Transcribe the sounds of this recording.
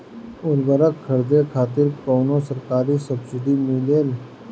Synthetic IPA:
ʊɾbəɾəkkʰːəɾd̪ekʰaːt̪ɪɾkoːnõsəɾkaːɾisɐbsɪd̪ʱimileːl

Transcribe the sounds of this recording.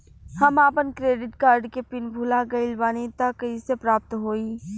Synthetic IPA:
hɐmaːpənkɾeːɖɪʈkaːɾɖkepɪnbʱʊlaɡɐɪlbaːnit̪akɐisepɾaːp̚t̪ɦoːiː

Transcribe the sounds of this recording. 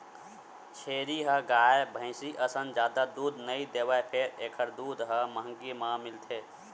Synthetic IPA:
t͡ʃʰeːɾiɦəɡaːebʱə̃ɪ̃siʔəsənd͡ʒjaːd̪ad̪ud̪nəĩd̪eːwaepʰeɾeːkʰəɾd̪uːd̪ɦəməɦəŋɡimãmɪlt̪ʰe

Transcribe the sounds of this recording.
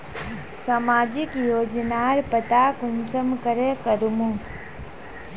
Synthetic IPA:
samaːd͡ʒɪkjoːd͡ʒnaːɾpət̪aːkʊnsəmkəɾekəɾmũ

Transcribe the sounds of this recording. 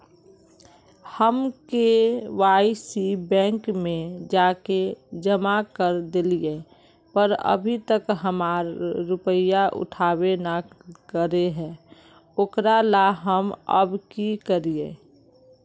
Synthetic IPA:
həmkewaːɪsibɛ̃ːŋkmẽd͡ʒaːked͡ʒəmakəɾd̪ɪlie | pəɾə̰bʱit̪əkɦəmaːɾːʊpəjaʔʊ̰ʈʰaːwenakəɾeɦɛ̃ː | oːkɾalaɦəmə̰bkikəɾiḛ

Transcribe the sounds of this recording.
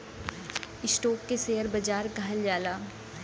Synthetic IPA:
ɪsʈɔːkːeseːəɾbɐd͡ʒaːɾɡaɦəld͡ʒaːlaː

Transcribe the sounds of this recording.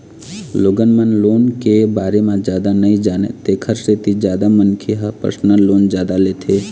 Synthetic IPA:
loːɡənmənloːnkebaːɾemãd͡ʒjaːd̪anəĩd͡ʒaːnḛt̪eːkʰəɾset̪id͡ʒjaːd̪amənkʰeɦəpə̰snəloːnd͡ʒjaːd̪aleːt̪ʰeː

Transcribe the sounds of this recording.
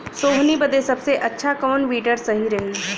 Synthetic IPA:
soːɦnibɐd̪esɐbseʔɐtːʃʰakɔːnʋiːʈəɾsɐɦiɾɐɦi

